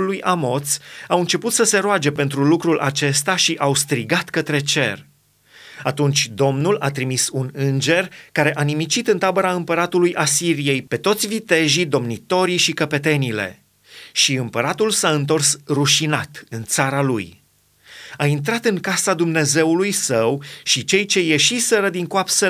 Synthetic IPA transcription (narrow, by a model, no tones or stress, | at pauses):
lujʔamo̞t̪sawɨnt͡ʃe̞put̪səse̞ɾoad͡ʒe̞pe̞nt̪ɾulukɾulʔa̰t͡ʃe̞st̪aʃiʔawst̪ɾiɡat̪kət̪ɾe̞t͡ʃe̞̰r | at̪unt͡ʃʲd̪o̞mnulat̪ɾimisunɨnd͡ʒe̞rkaɾe̞ʔanimit͡ʃit̪ɨnt̪abəɾaɨmpəɾat̪ulujʔasiɾije̞jpe̞t̪o̞t̪sʲvit̪e̞ʒid̪o̞mnit̪o̞ɾiʃikəpe̞t̪e̞nile̞̰ | ʃiɨmpəɾat̪ulsaɨnt̪o̞rsruʃinat̪ɨnt̪saɾalṵj | aint̪̬ɾat̪ɨŋkasad̪umne̞ze̞wulujsəwʃit͡ʃe̞jt͡ʃe̞je̞ʃisəɾəd̪iŋkoapse